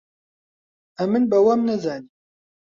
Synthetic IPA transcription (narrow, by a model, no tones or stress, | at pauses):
æmənbæwæmnæðæni